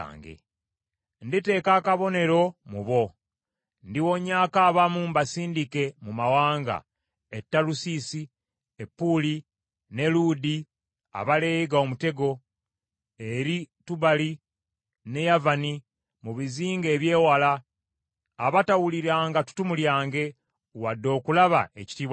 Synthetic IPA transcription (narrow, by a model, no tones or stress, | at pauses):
ŋɡḛ | ndite̞ːkaːkaβo̞ne̞ɾo̞muβo̞ | ndiwo̞ɲaːkaːβamuːmbasiːndike̞mumawaːŋɡa̰ | etːalusisi | epːuli | ne̞ludi | a̰βale̞ːjiɡaomute̞ɡo̞ | e̞ɾituβali | ne̞javani | muβiziːŋɡe̞ːβje̞ːwalaː | βatawuliɾaːŋɡatu̥tumuljaːŋɡe̞ | wadːo̞ːkulaβa̰e̞ci̥tiβa